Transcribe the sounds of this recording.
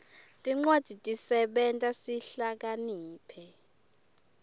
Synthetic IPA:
tʼiŋ͡ǃwad̥ʱitʼisɛɓɛntʼasiɬak̬aniːpʰɛ

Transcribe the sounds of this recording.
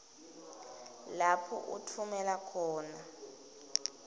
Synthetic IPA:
lapʰɔ̰ʔṵtʰumɛlakʰɔːna

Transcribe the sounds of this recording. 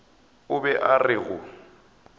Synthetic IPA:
ʊbɛʔarɪɣʊ

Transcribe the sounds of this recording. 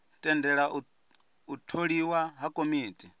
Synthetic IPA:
tʼɛndɛɺaʔu | utʰoɺiwaɦakʼomiːtʼi

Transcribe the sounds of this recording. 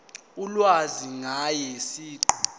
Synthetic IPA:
ulwaziŋajɛsiːǃɔ̥

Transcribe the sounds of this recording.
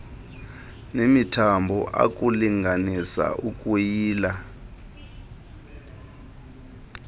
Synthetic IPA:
nemitʰambʱɔʔa̰kʼuliŋʱanisa̰ʔukʼujiːla

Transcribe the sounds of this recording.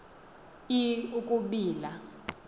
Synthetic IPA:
iukʼuɓiːla

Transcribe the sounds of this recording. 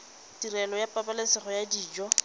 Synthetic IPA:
tirɛlɔjapʼapalɪsɪχɔjadiːd͡ʒɔ

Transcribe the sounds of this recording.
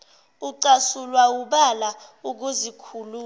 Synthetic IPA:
uǀasulwawuɓalauk̬uzikʰuluː

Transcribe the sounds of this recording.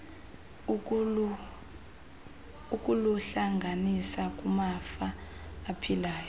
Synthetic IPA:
ukʼuluɬaŋɡʱanisak̬ʼumafaːpʰilaːjɔ

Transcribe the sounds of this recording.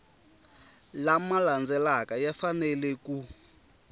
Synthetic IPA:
lamaland͡zɛlakajafanɛlɛku

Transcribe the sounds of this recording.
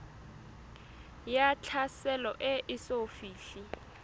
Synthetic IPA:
jat͡ɬʰasɛlɔʔɛʔɪsofiːɬi

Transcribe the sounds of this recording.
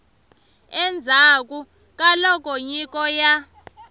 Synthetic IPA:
ɛnd͡zʱak̬ʼu | k̬ʼalɔk̬ʼoɲik̬ʼɔja

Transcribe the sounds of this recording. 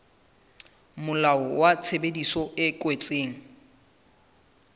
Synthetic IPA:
mʊlaɔwat͡sʰebedisɔɪkʼwet͡sʼeːŋ̩

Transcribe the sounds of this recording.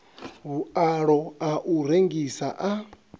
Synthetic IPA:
ɦuaɺɔaʔuɾeŋɡisaʔa

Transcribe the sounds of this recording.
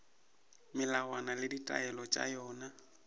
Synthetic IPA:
mɪlawanalɪditʼa̰ɛlɔt͡ʃʼa̰jɔːna

